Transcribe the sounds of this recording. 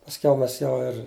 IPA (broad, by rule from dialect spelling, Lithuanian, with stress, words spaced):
pɐsʲˈkʲɛʊ ˈmʲɛs ˈjɛʊ ɪr